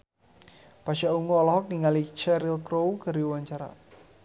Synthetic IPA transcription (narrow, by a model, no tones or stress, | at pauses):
paʃauŋoːlɔɦɔk̚niŋalit͡ʃɛɾilkɾowɡa̤ɾiwaɲt͡ʃaɾa̰